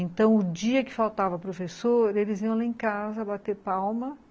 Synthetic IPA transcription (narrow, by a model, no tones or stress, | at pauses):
ẽnt̪ɐ̃w̃ʊd͡ʒiɐkɪ̥fawt̪avɐpɾofesoɾɾelɪziɐ̃w̃laĩkazɐbat̪eɾpawmɐ